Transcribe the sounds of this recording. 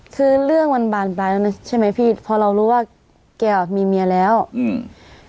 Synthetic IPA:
kʰɯː˧ɾɯ˥˩əŋma˧nbaː˨˩nplaː˧jla˧na˧˥t͡ɕʰa˥˩jma˦˥jpʰiː˥˧˩t̪pʰɔː˧ɾa˧wɾuː˦˥waː˥˩ | kɛː˧˩wa˨˩miː˧mi˧ɐ˧lɛː˦˥w

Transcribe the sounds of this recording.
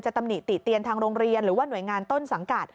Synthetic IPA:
nt͡ɕa˨˩t̪a˧mni˨˩t̪ːi˨˩t̪ːi˧ənt̪ʰaː˧ŋɾoː˧ŋɾi˧ənɾɯː˩˦waː˥˩nu˨˩əjŋaː˧nt̪o˥˩nsa˩˦ŋka˨˩t̪̚

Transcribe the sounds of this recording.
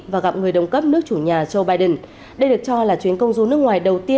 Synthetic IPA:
vaː˨˩ɣa˨p̚ŋɨ˨˩əjɗə˨˩wŋ͡mkə˦˥p̚nɨ˦˥ək̚t͡ɕu˧˩ɲaː˨˩t͡ɕə˧wɓaː˧jɗə˨˩n | ɗə˧jɗɨ˨˩ək̚t͡ɕɔ˧laː˨˩t͡ɕwi˨˦ənkə˧wŋ͡mzu˧˦nɨ˦˥ək̚ŋwaː˨˩jɗə˨˩wt̪i˧

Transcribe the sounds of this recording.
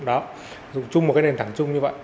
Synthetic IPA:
ɗɔ˨˦ | zʊ̰˨˧˩ŋ͡mt͡ɕʊ˧ŋ͡mm̚˨˩kaː˨˦ne˨˩nt̪ʰaː˧˩ŋt͡ɕʊ˧ŋ͡mɲɨ˧və̰˧˨j

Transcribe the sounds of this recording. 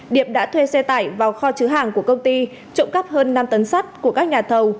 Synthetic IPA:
ɗi˧˩əm̚ɗa̰ː˧˥t̪ʰwe˧sɛ˧t̪aː˧˩jvaː˨˩wxɔ˧t͡ɕɨ˨˦ɦa̰ː˧˩ŋku˧˩əkə˧wŋ͡mt̪i˧ | t͡ɕʊ̰˧˥ŋ͡mkə˦˥p̚həː˧nːa˧mt̪ə˨˦nsa˦˥t̚ku˧˩əkaː˦˥k̚ɲaː˨˩t̪ʰə˨˩w

